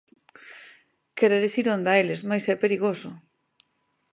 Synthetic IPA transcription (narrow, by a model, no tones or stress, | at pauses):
keɾeðesiɾond̪aelɪzmajsɛpeɾiɣosʊ